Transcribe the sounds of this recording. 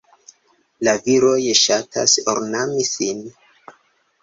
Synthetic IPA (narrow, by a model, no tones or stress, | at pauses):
laviɾojʃatʰa̰soɾnamisin